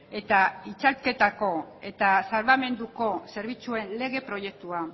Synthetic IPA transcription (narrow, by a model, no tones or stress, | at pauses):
e̞t̪ait͡ʃalke̞t̪ako̞e̞t̪asalβame̞nd̪uko̞se̞ɾβ̞it͡sue̞nle̞ɣ̞e̞pɾo̞je̞k̚t̪ua